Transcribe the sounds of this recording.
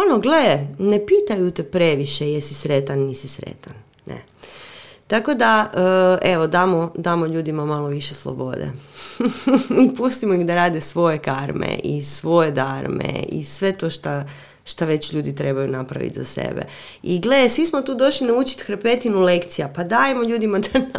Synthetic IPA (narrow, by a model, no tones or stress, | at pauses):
onoɡleene̞piːt̪ajut̪epɾeʋiʃejesisɾe̞t̪anːisisɾḛt̪an | nḛ | t̪ako̞d̪aəʔeʋod̪aːmod̪aːmoʎuːd̪imamaloʋiʃeslˠo̰bo̞̰d̪ḛ | ipust̪imoixd̪aɾaːd̪esʋo̞je̞kaɾmḛʔḭsʋo̞jed̪aɾmḛḭsʋe̞t̪o̞ʃt̪a | ʃt̪aʋe̞t͡ɕʎuːd̪it̪ɾe̞bajunapɾa̰ʋḭt̪za̰sḛbḛ | iɡledesʋismot̪uːd̪o̞ʃlinaut͡ʃi̥t̪xɾpe̞t̪inulekt̪sijapad̪ajemoʎʲuːd̪imad̪a